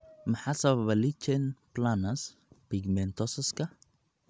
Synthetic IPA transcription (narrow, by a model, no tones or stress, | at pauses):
mɐħasɐβɐβɐlit͡ʃɛnplanɐs | piɡmɛnt̪ʰɔsɐskʰɐ